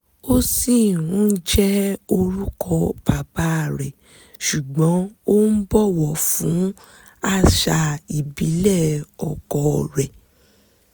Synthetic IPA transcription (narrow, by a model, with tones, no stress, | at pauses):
o˦si˦˨ɾ̃ũ˨˦d͡ʒɛ˦o˧ɾu˦kʰɔ˧ba˨ba˦˨ɾɛ˨ | ʃu˨ɡ͡bɔ̃˨˦o˦n̩˦bɔ˦wɔ˨fũ˨˦ | a˦˨ʃa˧˨i˨bi˨˦lɛ˦˨ɔ˨kɔ˨ɾɛ˨